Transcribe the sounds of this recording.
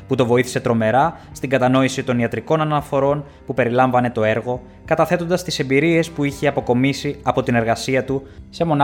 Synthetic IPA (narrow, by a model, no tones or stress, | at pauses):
put̪o̞vo̞iθi̥se̞t̪ɾo̞me̞ɾɐst̪iŋɡɐt̪ɐno̞isit̪o̞niɐt̪ɾiko̞nɐnɐfo̞ɾo̞n | pupe̞ɾilɐɱvɐne̞t̪o̞e̞ɾɣo̞ | kɐt̪ɐθe̞t̪o̞nd̪ɐst̪ise̞mbiɾie̞spuiçeɐpo̞ko̞misiɐpo̞t̪ine̞ɾɣɐsiɐt̪use̞mo̞n